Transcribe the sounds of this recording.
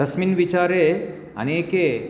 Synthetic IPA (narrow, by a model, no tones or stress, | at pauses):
əsminʋit͡ʃaːɾe | ɐ̰neːke